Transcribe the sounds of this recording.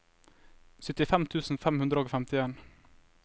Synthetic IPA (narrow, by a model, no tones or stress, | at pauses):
sʏt̪ɪfɛmt̪ʰʉːsn̩fɛmhʉnd̪ɾəɔkfɛmt̪ɪeːn